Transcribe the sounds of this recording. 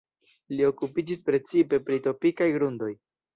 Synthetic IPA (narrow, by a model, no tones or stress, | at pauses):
lio̞kupid͡ʒispɾe̞t͡sipe̞pɾito̞pikajɡɾundo̞j